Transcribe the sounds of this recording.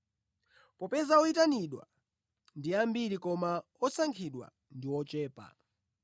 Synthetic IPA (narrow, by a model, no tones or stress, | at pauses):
pɔpɛzaɔitaniɗwa̰ | ndiambiɾikɔma | ɔsaŋkʰiɗwa̰ | ndiwɔt͡ʃɛːpa̰